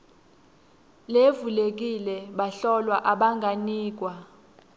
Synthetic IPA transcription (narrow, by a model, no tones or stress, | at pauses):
levulek̬ʼilɛɓaɬɔlwaʔaɓaŋɡʱaniːk̬ʼwa